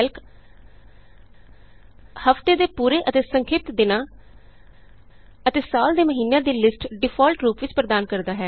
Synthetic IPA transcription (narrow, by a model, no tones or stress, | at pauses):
lk | həft̪eːd̪eːpuːɾeːʔət̪eːsəŋkʰɪːp̚t̪d̪ɪnãː | ət̪eːsaːld̪eːməɦiːnejãːd̪iːlɪsʈɖɪpʰɔːlʈɾuːpʋɪt͡ʃpɾəd̪aːnkəɾd̪aːɦɛː